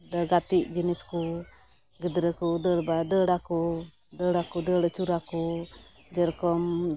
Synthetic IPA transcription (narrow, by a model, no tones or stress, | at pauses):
dəɡat̪iʔd͡ʒənisku | ɡədəɾəkudəɾbadəɽaku | dəɽakudəɽət͡ʃuɾaku | d͡ʒəɾkɔm